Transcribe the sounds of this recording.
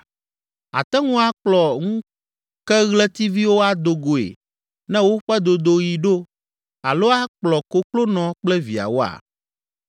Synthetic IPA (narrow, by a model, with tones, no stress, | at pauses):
a̰˨t̪ɛ˦ŋũ˦a˦k͡plɔ˨ŋũ˦ | kɛ˦ɣlɛ˦t̪i˦vi˦wo˦a˦d̪o˨ɡo˨ḛ˨ | nɛ̃˦wo˦ɸɛ˦d̪o˨d̪o˦ji˨ɖo˦ | a̰˨lo˦a˦k͡plɔ˨ko˦klo˦nɔ̃˨k͡plɛ˦vi˨a̰˨wo˦a̰˨